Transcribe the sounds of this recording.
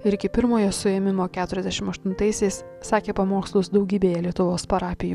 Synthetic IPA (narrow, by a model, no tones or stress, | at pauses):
ɪɾɪkʲɪpʲɪɾmoːjosʊɛmʲɪmoːkʲæːt̪ʊɾʲɛzd̪ʲɛʃʲɪmɐʃt̪ʊnt̪ɐɪsʲɛɪs | sɑːkʲeːpɐmoːkslˠʊsd̪ɒʊɡʲiːbʲeːjɛlʲiɛt̪ʊʋoːspɐɾɑːpʲɪjuː